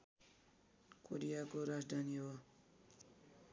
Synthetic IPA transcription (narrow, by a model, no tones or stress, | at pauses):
koɾijakoɾad͡zd̪ʱaniɦo